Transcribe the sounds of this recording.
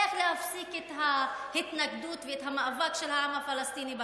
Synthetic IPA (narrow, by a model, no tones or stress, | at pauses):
ɐxleɐfsikɪt̪ɦahɪt̪nɐkd̪uːt̪ʋit̪ʰɐmɐɐʋɐkʃɐlaːmɐfɐlɐst̪iːnibɐ